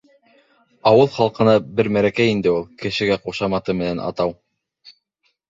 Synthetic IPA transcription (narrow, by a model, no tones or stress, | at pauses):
ɑwɤlˠχɑlˠqɤ̆nɑbɘɾmæɾækæjind̪ɘulˠkɘ̆ʃɘ̆ɡæquʃɑmɑt̪ɤmɘ̆nænʔɑ̰t̪ɑw